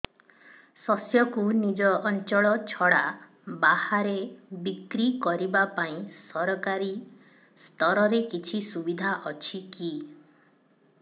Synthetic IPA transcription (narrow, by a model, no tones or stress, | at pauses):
sɔsjɔkunid͡ʒɔːnt͡ʃɔɭɔt͡ʃʰɔɽa | bahaɾebikɾikɔɾibapaĩsɔɾɔkaɾi | st̪ɔɾɔɾekit͡ʃʰisubid̪ʱaʔɔt͡ʃʰiki